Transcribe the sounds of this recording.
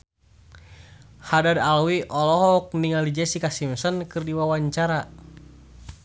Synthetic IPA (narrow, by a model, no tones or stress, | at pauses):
hadadalwiʔɔlɔɦɔk̚niŋalid͡ʒɛsikasimsɔnkɨrdiwawaɲt͡ʃaɾa